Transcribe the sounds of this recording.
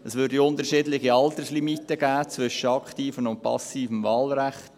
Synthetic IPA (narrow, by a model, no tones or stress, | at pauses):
əsʋʏɾdiʊntəɾʃɪːdlɪɡiɑlt̪əslimitːəɡ̥æːt͡svʏʃəɑkχtiːfənʊnt̚pʰɑ̰siːfəmvɑːlɾæχt